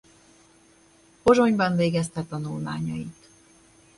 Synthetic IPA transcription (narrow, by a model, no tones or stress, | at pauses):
po̞ʒo̞ɲbɒɱveːɡɛst̪ɛt̪ɒnulma̰ːɲɒjit̪